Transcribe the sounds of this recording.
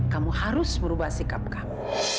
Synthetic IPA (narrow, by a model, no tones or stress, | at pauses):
kamuhaɾʊsməɾubahsikap̚kamu